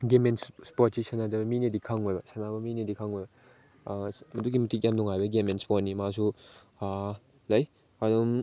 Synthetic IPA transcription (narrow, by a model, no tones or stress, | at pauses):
ɡemensspot̚kisʰɐnadɐbɐminedikʰaŋojbɐsɐnabɐminedikʰaŋojbɐ | mɐdukɡimɐtʰik̬̚jamnuŋajbɐɡemenspot̚nimasu | lɐj | ɐdum